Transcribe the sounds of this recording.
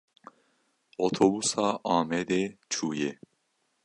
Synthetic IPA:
ot̪ʰobusaʔaːmɛd̪et͡ʃʰuje

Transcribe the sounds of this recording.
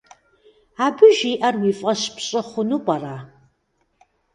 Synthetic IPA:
abɨʒiʔɐrwifʼɐʃpʰɕʼɨχʷʊnupʼara

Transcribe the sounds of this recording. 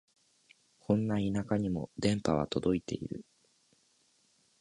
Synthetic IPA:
kʰõ̞nːainakaɲ̟imo̞̰d̪ẽ̞mpaβ̞a̰t̪o̞d̪o̞it̪e̞̰ḭɾɯ̟̰

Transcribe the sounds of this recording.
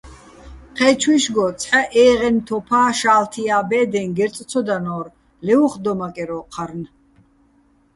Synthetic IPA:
qʰɛt͡ʃʰwiʃɡɔt͡sʰħaʔɛːʁɛnt̪ʰɔpʰaːʃaːlt̪ʰiaːbɛːd̪ɛŋɡɛɾt͡s̪ʼt͡sʰɔd̪anɔːɾ | lɛuχd̪ɔmakʼɛɾɔqʰaɾn

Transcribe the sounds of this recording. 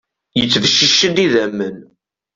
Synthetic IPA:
jət͡sːvəʃːəʃːəd̪iðæmːən

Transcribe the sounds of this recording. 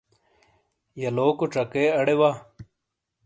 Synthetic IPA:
jɐloːkoʈ͡ʂɐkeːɐɽewa

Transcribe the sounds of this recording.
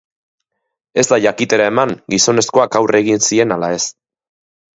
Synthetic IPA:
e̞zd̪aʝakit̪e̞ɾae̞maŋɡiso̞ne̞sko̞akawre̞ɣinsie̞nalae̞s

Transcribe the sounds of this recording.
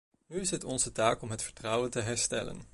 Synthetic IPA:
nyɪsɦətɔnzətaːkɔmɦətfəɹtrʌwəntəɦɛɹstɛ̰lə̰n

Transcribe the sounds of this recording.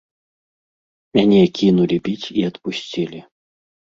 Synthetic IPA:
mʲanʲɛkʲinulʲibʲit͡sʲiɐt̪pusʲt͡sʲilʲi

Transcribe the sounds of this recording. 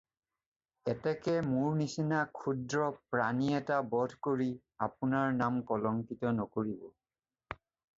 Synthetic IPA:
ɛtɛkɛmʊɹnisinakʰudɹɔpɹaniɛtabɔdʱkoɹi | apunaɹnamkɔlɔŋkitɔnɔkoɹibɔ

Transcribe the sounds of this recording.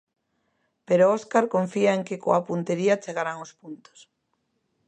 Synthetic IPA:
peɾoɔskaɾkoɱfiaeŋkekoapunt̪eɾiat͡ʃeɣaɾaŋospunt̪o̥s

